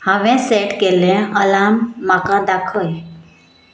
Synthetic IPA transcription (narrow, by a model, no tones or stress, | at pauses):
hãʋɛ̃seʈkelɛ̃əlamːakãd̪akʰəj